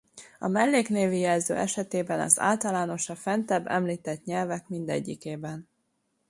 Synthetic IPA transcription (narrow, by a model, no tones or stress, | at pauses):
ɒmɛlːeːkneːvijɛlzø̰ːʔɛʃɛt̪eːbɛnɒ̰za̰ːlt̪ɒlaːno̞ʃɒfɛnt̪ɛbːɛ̰mliːt̪ɛt̪ɲɛlvɛkmind̪ɛ̰ɟːikeːbɛn